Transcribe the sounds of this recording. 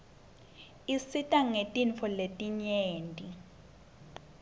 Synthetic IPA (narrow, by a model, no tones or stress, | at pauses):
isitʼaŋetʼinfɔletʼiɲeːntʼi